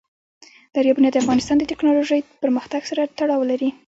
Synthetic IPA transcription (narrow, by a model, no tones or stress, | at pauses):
d̪̥aɾjɑbunjɑd̪əafɣɑnɪst̪ɑnd̪ət̪ɪknɑloʒəjpəɾməxt̪aɡsaɾat̪aɽɑwlaɾi